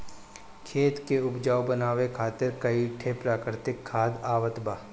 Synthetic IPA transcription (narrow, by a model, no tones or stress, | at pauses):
kʰeːt̪keʊpd͡ʒaːwbənaːwekʰaːt̪ɪɾkɐiʈʰepɾaːkɾɪt̪ɪkʰːaːd̪aːʋət̪baː